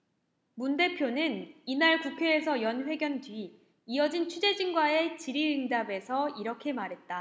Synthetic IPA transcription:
munde̞pʰjonɯninaɭkukʰjees̬ʰʌjʌnɸwe̞ɡjʌntɥiː | ʌd͡ʑint͡ɕʰud͡ʑe̞d͡ʑiŋɡwae̞t͡ɕiɾiɯŋd͡ʑabe̞sʰʌiɾʌkʰe̞maɾɦe̞t̚t͈a

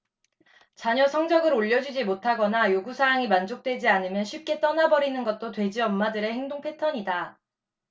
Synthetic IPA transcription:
t͡ɕaɲʌsʰʌŋd͡ʑʌɡɯɾoʎːʌd͡ʑid͡ʑimotʰaɡʌnajoɡusʰaaŋimand͡ʑok̚t͈we̞d͡ʑianɯmjʌnɕʰɥip̚k͈e̞t͈ʌnabʌɾinɯnɡʌt̚t͈otwe̞d͡ʑiʌmːadɯɾe̞he̞ŋdoŋpʰe̞tʰʌɲida

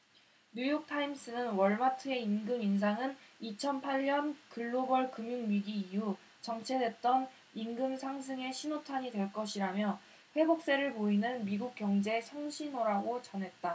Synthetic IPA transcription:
ɲujk̚tʰaims͈ʰɯnɯnwʌɭmatʰɯe̞inɡɯmins̬ʰaŋɯnit͡ɕʰʌnpʰaʎːʌnkɯɭːobʌɭkɯmjuŋmiɡiːju | t͡ɕʌŋt͡ɕʰe̞dwe̞t̚t͈ʌn | inɡɯmsʰaŋsʰɯŋe̞ɕʰinotʰaɲidwe̞ɭk͈ʌɕʰiɾamjʌ | ɸwe̞bok̚s͈e̞ɾɯɭpoinɯnmiɡuk̚k͈jʌŋd͡ʑe̞sʰʌŋɕʰinoɾaɡot͡ɕʌnɦe̞t̚t͈a

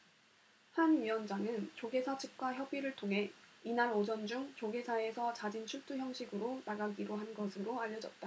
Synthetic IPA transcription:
hanɥiwʌnd͡ʑaŋɯnt͡ɕoɡe̞sʰʌt͡ɕʰɯp̚k͈waçjʌbiɾɯɭtʰoŋɦe̞inaɾod͡ʑʌnd͡ʑuŋt͡ɕoɡesʰae̞sʰʌt͡ɕad͡ʑint͡ɕʰuɭt͈ʰuçjʌŋɕʰiɡɯɾonaɡaɡiɾoɦanɡʌsʰɯɾoaʎːʌd͡ʑʌt̚t͈a

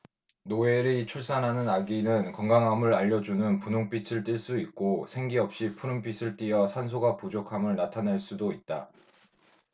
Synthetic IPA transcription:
noe̞ɾit͡ɕʰuɭs͈anɦanɯnaɡinɯnkʌŋɡaŋɦamɯɾaʎːʌd͡ʑunɯnpunoŋpʰisʰɯɭt͈iɭs͈uik̚k͈osʰe̞ŋɡiʌp̚ɕ͈ipʰuɾɯmpʰisʰɯɭt͈iʌsʰansʰoɡapud͡ʑokʰamɯɭnatʰanaɭs͈udoit̚t͈a

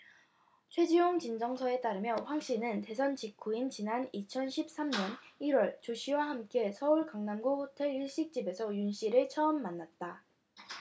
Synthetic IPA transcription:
t͡ɕʰwe̞d͡ʑijoŋt͡ɕind͡ʑʌŋsʰʌe̞t͈aɾɯmjʌɸwaŋɕ͈inɯnte̞sʰʌnt͡ɕikʰuint͡ɕinanit͡ɕʰʌnɕʰip̚s͈amɲʌniɾwʌɭt͡ɕoɕʰiwahamk͈e̞sʰʌuɭkaŋnamɡohotʰe̞ɭiɭɕ͈ik̚t͡ɕ͈ibe̞sʰʌjunɕ͈iɾɯɭt͡ɕʰʌːmːanːat̚t͈a

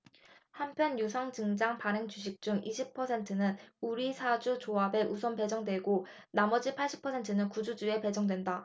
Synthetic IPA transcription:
hampʰjʌnjusʰaŋd͡ʑɯŋd͡ʑaŋpaɾɯŋt͡ɕuɕ̬ʰik̚t͡ɕ͈uŋiɕʰipʰʌsʰe̞ntʰɯnɯnuɾisʰad͡ʑut͡ɕoabe̞ʔus̬ʰʌnpe̞d͡ʑʌŋdwe̞ɡo | namʌd͡ʑipʰaɭɕ͈i̥pʰʌsʰe̞ntʰɯnɯnkud͡ʑud͡ʑue̞pe̞d͡ʑʌŋdwenda

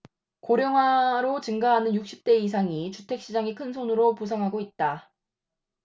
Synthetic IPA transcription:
koɾjʌŋɦwaɾot͡ɕɯŋɡaɦanɯnjuk̚ɕ͈i̥p̚t͈e̞is̬ʰaŋit͡ɕutʰe̞k̚ɕ͈id͡ʑaŋekʰɯns̬ʰonɯɾopus̬ʰaŋɦaɡoit̚t͈a

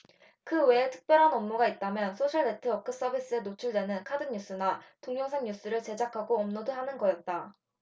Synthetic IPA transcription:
kɯwe̞ːtʰɯ̥k̚p͈jʌɾɦanʌmnuɡait̚t͈amjʌnsʰoɕʰʌɭːe̞tʰɯʌk͈ʰɯs͈ʌbʱis͈ɯe̞not͡ɕʰuɭdwe̞nɯnkʰadɯŋɲus͈ɯnatoŋɲjʌŋsʰaŋɲus͈ɯɾɯɭt͡ɕe̞d͡ʑakʰaɡoʌmnodoɦanɯnɡʌjʌt̚t͈a

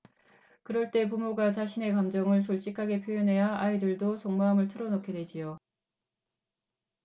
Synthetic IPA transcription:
kɯɾʌɭt͈e̞p̬umoɡat͡ɕaɕʰine̞kamd͡ʑʌŋɯɭs̬ʰuɭt͡ɕ͈ikʰaɡe̞pʰjojʌnɦe̞jaaidɯɭdosʰoŋmaːmɯɭtʰɯɾʌnokʰedwe̞d͡ʑio

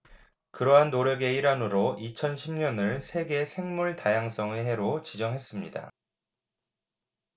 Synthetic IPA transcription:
kɯɾʌɦanːoɾjʌɡe̞iɾanɯɾoʔit͡ɕʰʌnɕʰimɲʌnɯɭsʰe̞ɡe̞sʰe̞ŋmuɭtajaŋs͈ʌŋeɦe̞ɾot͡ɕid͡ʑʌŋɦe̞s͈ɯmɲida̰

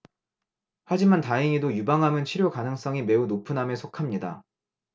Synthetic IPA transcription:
had͡ʑimantaiŋidojubaŋɦamɯnt͡ɕʰiɾjokanɯŋs͈ʌŋime̞unopʰɯnamesʰokʰamɲida̰

